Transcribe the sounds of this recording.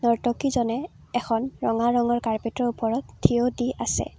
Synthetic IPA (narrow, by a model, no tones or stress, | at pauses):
nɔɹtɔkizɔnɛː | xʰɔnɹɔŋaɹɔŋɔɹkaɹpetɹɔɹupɔɹɔttʰːiodiʔasɛ̰